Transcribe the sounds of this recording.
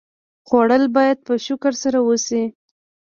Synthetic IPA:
ɣwaɽəlbɑjad̪̚pəʃʊkaɾsaɾawəsi

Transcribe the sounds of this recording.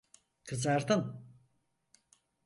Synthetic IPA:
kʰɯzaɾt̪ɯn

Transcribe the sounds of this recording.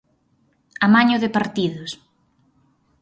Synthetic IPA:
amaɲʊðɪpaɾt̪iðʊs

